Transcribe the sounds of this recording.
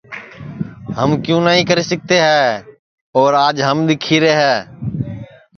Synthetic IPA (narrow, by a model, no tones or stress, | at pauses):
ɦəmkjũːnaːɦĩːkəɾeːsək̚t̪eːɦɛː | ɔːɾaːd͡ʒɦəmɗ̪ɪkʰiːɾeɦɛː